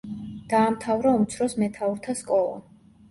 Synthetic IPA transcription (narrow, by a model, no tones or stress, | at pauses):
d̪̥aːmt̪ʰavɾaumt̪sʰɾɔsmɛt̪ʰauɾt̪ʰaskʼɔlˠa̰